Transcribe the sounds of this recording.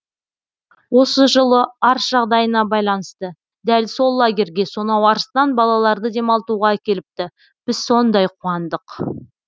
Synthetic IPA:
wo̞səʒəlˠəɑɾsʒ̥ɑʁd̪ɑjənɑbɑjlˠɑnəst̪ə | d̪ælso̞lˠːaɡʲe̞ɾɡʲe̞so̞nɑwɑɾəst̪ɑnbɑlˠɑlˠɑɾd̪əd̪e̞mɑlˠt̪uʁɑækʲe̞lɪp̚t̪ɪ | b̥ɪz̥so̞nd̪ɑjqʰuɑnd̪əq

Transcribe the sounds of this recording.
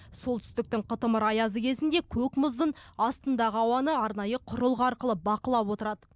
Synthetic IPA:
so̞lˠt̪ʰʏ̥st̪ɪk̚t̪ɪŋqʰət̪əməɾɑjɑzəkʲʰe̞zɪnd̪ekʲʰɵkmʊzd̪ənɑst̪ənd̪ɑʁəɑwɑnəɑɾnɑjəqʰʊɾəlˠʁɑɾqəlˠəbɑqəlˠɑpwo̞t̪əɾɑd̪ə

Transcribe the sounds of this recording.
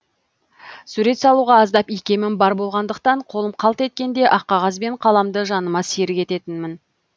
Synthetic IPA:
suɾe̞t̪sɑlˠuʁɑːzd̪ɑpijkʲe̞mɪnbɑɾbo̞lˠʁɑnd̪əq̚t̪ɑɴqʰo̞lˠəmqʰɑlˠt̪e̞t̪̚kʲe̞nd̪e̞ʔɑqːɑʁɑs̬be̞ɴqʰɑlˠɑmd̪əʒɑnəmɑseɾɪkʲe̞t̪e̞t̪ɪnmɪn

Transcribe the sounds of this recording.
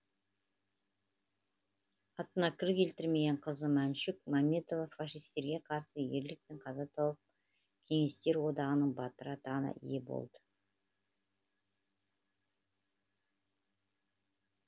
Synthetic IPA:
ɑt̪ənɑkʲʰɪɾkʲʰe̞lt̪ɪɾme̞ɡʲeɴqʰəzəmænʃɪkmamʲe̞t̪o̞vɑfaʃijst̪e̞ɾɡʲe̞qʰɑɾsəje̞ɾlɪk̚peɴqʰɑzɑt̪ʰɑwəp̚ | kʲʰe̞ŋe̞st̪e̞ɾwo̞d̪ɑʁənəɴbɑt̪əɾɑt̪ɑʁənɑ̰ʔḭjebo̰lˠd̪ə̥

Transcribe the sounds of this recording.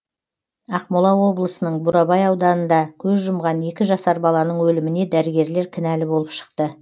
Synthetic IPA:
ɑqmʊlˠɑwo̞blˠəsənəɴbʊɾɑbɑjɑwd̪ɑnənd̪ɑkʲʰɵzʒʊmʁɑne̞kʲɪʒɑsɑɾbɑlˠɑnəɴwɵlɪmɪne̞d̪æɾɪɡʲe̞ɾle̞ɾkʲʰɪnælɪbolˠəpʃə̥q̚t̪ə

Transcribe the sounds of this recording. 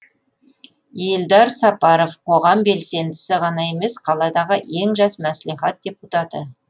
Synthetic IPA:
jeld̪ɑɾsɑpɑɾovqʰo̞ʁɑmbe̞lse̞nd̪ɪsɪʁɑnɑe̞me̞sqʰɑlˠɑd̪ɑʁəʔe̞ŋʒɑsmæsliχɑt̪̚d̪̥ʲe̞put̪ɑt̪ə

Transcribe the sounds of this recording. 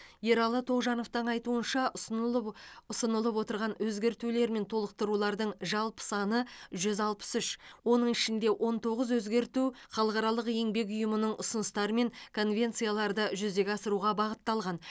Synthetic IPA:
je̞ɾɑlˠət̪ʰo̞ʁʒɑno̞ft̪əɴɑjt̪uənʃɑ | ʊsənəlˠəpwo̞t̪əɾʁɑnwɵzɡʲe̞ɾt̪ule̞ɾme̞nt̪ʰo̞lˠəq̚t̪əɾulˠɑɾd̪əɴʒɑlˠpə̥sɑnəʒʏzɑlˠpə̥sʏʃwo̞nəɴɪʃɪnd̪e̞ʔo̞nt̪ʰo̞ʁəzwɵzɡʲe̞ɾt̪uχɑlˠəqɑɾɑlˠəqje̞ŋbe̞k̬ʲʊjəmənəɴʔʊsənəst̪ɑɾəme̞ŋkʰo̞nvʲe̞nt̪sijalˠɑɾd̪əʒʏzd̪e̞ɡʲɑsəɾuʁɑbɑʁət̪ːɑlˠʁɑn

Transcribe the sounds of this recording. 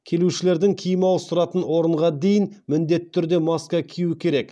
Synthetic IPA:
kʲʰe̞luʃɪle̞ɾd̪ɪŋkʲʰijɪmɑwəsʊɾɑt̪ənwo̞ɾəɴʁɑd̪e̞jɪnmɪnd̪e̞t̪ːɪ̥t̪ʰːʏɾd̪e̞mɑskɑkʲʰijuɪkʲʰe̞ɾe̞k

